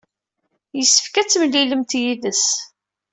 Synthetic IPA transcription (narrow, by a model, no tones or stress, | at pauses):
jəsːə̥fkæt͡sːmlːiləmt̪jiðəs